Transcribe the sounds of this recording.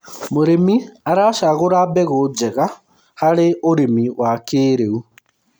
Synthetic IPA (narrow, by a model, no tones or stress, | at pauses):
moɾemiaɾaːʃaɣoɾabɛɣod͡ʒɛɣa | haɾeoɾemiwakeːɾeu